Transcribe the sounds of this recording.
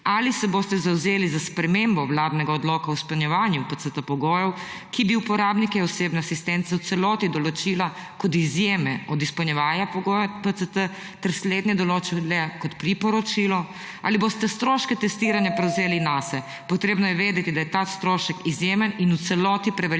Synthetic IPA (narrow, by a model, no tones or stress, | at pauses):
alisɛboːst̪ɛzawzeːlizaspɾɛmembɔwlaːd̪nɛɡaɔd̪lɔkawspəlnɲjɛʋaːnjupət̪sət̪əpɔɡoːjɛw | kibiupɔɾaːbnikɛɔseːbnɛasist̪ɛnt̪sɛwt̪sɛlɔt̪id̪ɔlɔt͡ʃiːlakɔt̪izjeːmɛɔd̪ispɔwnjɛʋaːnjapɔɡojpət̪sət̪ə | t̪ɛɾsleːd̪njɛd̪ɔloːt͡ʃɛlɛkɔt̪pɾipɔɾɔt͡ʃiːlɔ | a̰libost̪ɛst̪ɾoːʃkɛt̪ɛst̪iːɾanjapɾɛwzeːlinasɛ | pɔt̪ɾeːbnɔjɛʋeːd̪ɛt̪id̪ajɛt̪ast̪ɾoːʃəkizjeːməninut̪sɛlɔt̪ipɾɛʋɛ